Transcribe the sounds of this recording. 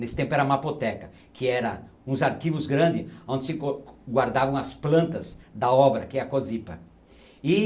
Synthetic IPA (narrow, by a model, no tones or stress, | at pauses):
nesɪ̥t̪ẽpʊɛɾɐumapot̪ɛkɐ | kʰɪɛɾɐ | ũzaɾkivʊzɡɾɐ̃nd͡ʒ̪ɪõnd̪ɪsɪoɡwaɾd̪avɐ̃w̃ɐsplɐ̃nt̪ɐzd̪ɐɔbɾɐkɪɛɾɐkozipɐ | ɪ